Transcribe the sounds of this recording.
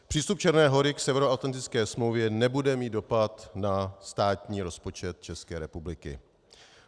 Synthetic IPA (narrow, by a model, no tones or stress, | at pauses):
pr̥iːst̪up̚t͡ʃɛɾnɛːɦo̞ɾɪksɛvɛɾoat̪lant̪ɪt͡skɛːsmlowvjɛnɛbudɛmiːd̪do̞pat̪nast̪aːt̪ɲiːɾo̞spo̞t͡ʃɛt̪̚t͡ʃɛskɛːɾɛpublɪkɪ̰